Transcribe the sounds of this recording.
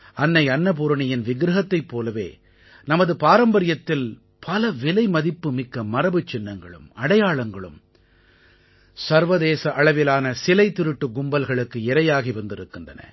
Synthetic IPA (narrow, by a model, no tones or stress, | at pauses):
ɐnːɐɪɐnːɐp̬ʊɾɐɳɪjɪnʋɪɡɾɐɦɐt̪ːɐɪpːoːlɐʋḛː | nɐmɐðɯpaːɾɐmbɐɾɪjɐt̪ːɪl | pʰɐlɐʋɪlɐɪmɐðɪpːɯmɪkːɐmɐɾɐbɯt͡ʃːɪnːɐŋɡɐ̰ɭɯ̰mɐɽɐjaːɭɐŋɡɐɭɯ̰m | sɐɾʋɐðeːsɐʔɐɭɐʋɪlaːnɐsɪlɐɪt̪ːɪɾɯʈːɯɡʊmbɐlɣɐɭɯkːɯɛɾɐjaːɣiʋɐnd̪ɪɾɯkːɯndrɐnɐ̰